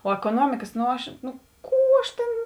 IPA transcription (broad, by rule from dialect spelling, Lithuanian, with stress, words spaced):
oː ɛkoːˈnuɔmʲɪkɐs noː ˈɐʃ nʊ ˈkuː ɐʃ tʲeːn